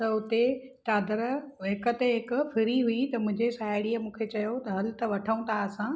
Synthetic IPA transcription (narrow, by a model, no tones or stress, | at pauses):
t̪ɐʊt̪e | ʈaːd̪əɾʋɦɪkə̆t̪eɦɪkfʰɪɾiɦuit̪ɐmʊ̃ɦɪ̃ɲd͡ʑesaːɪɽiːəmũːkʰet͡ɕɐjot̪ɐɦɐlɪt̪ɐʋɐʈʰəũnt̪ʰaɐsã